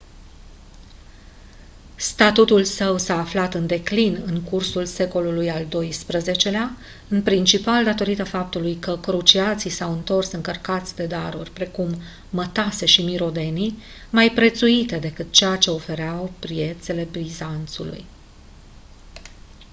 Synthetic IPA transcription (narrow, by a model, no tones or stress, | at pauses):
st̪at̪ut̪ulsəwsaːflat̪ɨnd̪e̞klinɨŋkursulse̞ko̞lulujald̪o̞jspɾəze̞t͡ʃe̞lea | ɨnpɾint͡ʃipald̪at̪o̞ɾit̪əfap̚t̪ulujkəkɾut͡ʃiat̪sisawɨnt̪o̞rsɨŋkərkat̪sʲd̪e̞d̪aɾurʲpɾe̞kumː | ət̪ase̞ʃimiɾo̞d̪e̞ni | majpɾe̞t̪suit̪e̞d̪e̞kɨt̪̚t͡ʃejat͡ʃe̞o̞fe̞ɾeawpɾije̞t̪se̞le̞bɾizant̪sulṵj